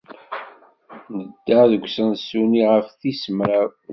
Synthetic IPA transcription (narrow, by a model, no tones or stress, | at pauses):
nəd̪ːaðəɡʷsənsuniʁəfθisəmɾa